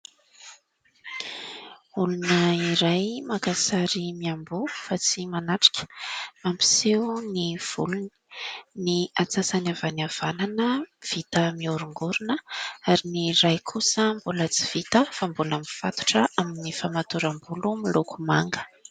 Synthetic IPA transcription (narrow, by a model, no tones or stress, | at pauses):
ulunəiɾajmakasaɾimiambufat͡simanaʈ͡ʂḁkʰʲə̥mampi̥seuniv̥uluni̥niat͡sasanavaniav̥ananəv̥it̪əmiuɾuŋɡuɾunəaɾiniɾajkʰusəmbulət͡si̥v̥it̪əfambulamifat̪u̥ʈ͡ʂəʔaminifamat̪uɾambulumilukumaŋɡə̥